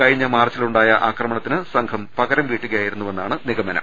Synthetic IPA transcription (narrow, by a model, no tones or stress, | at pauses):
ɐɻiɲːɐmaːrt͡ɕːiluɳɖaːjɐʔaːkrɐmɐɳɐt̪ːinɨsɐŋkʰɐmpɐɣɐɾɐmʋiːʈːuɣɐjaːjiɾunːuʋe̞nːaːɳɨniɣɐmɐnɐ̰m